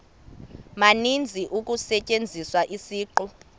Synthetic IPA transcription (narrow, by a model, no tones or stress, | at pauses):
manind͡zʱiʔukʼusɛt͡ʃʼend͡zʱiswaʔisiːǃɔ